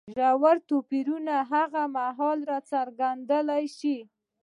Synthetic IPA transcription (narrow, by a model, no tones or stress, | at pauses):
ʒawaɾt̪opiɾunaɦaɣamaɦɑlɾat͡saɾɡand̪əlajʃi